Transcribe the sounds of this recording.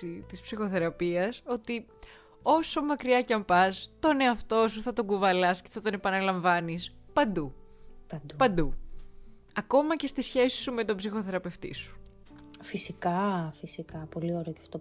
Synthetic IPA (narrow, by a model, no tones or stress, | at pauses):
it̪ispsixo̞θe̞ɾɐpiɐso̞t̪i | o̞so̞mɐkɾiɐcɐmpɐst̪o̞ne̞ɐft̪o̞suθɐt̪o̞ɡuvɐlɐsce̞̥θɐt̪o̞ne̞pɐnɐlɐɱvɐnispɐnd̪u | pɐnd̪u | ɐko̞mɐce̞st̪isçe̞si̥sume̞t̪ombsixo̞θe̞ɾɐpe̞ft̪ḭsu̥ | fisikɐfisikɐpo̞lio̞ɾeocɐft̪o